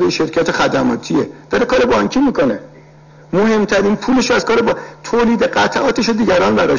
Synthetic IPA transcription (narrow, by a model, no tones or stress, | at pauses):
d̪ejeʃe̞ɾcʰæt̪ʰexæd̪æmɒ̰ːt̪ʰied̪̥ɒɾekʰɒːɾe̞bɒŋkcʰiːmiːkʰo̞ne | moɦe̞mt̪ʰæɾiːnpʰuːleʃoæz̥kʰɒːɾebɒt̪ʰoːliːd̪e̞ɢæt̪ʰʔɒːt̪ʰeʃod̪iːɟæɾɒːnbæɾɒː